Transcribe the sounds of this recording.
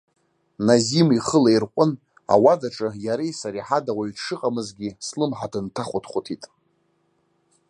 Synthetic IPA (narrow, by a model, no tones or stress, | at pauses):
nazimiχəlairqʷʼʊn | a̰wadaʈ͡ʂʼɨjaɾejsaɾiħadawaɥʂɨqʼamɨzɡʲislɨmħadɨntʰaχʷʊtʰχʷʊtʰitʼ